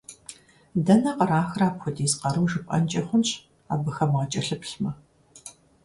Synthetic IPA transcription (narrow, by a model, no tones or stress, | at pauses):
dɐnɐqɐɾaːxraːpxʷʊdiːzqɐɾɨmʒɨpʼɐ̰nt͡ʃʼɐχʷʊnɕ | a̰ːbɨxɐmʁɐt͡ʃʼɐɬɨpɬmɐ